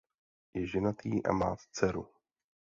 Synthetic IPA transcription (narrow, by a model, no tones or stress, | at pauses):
jɛʒɛnat̪iːʔa̰maːt̪t͡sɛɾu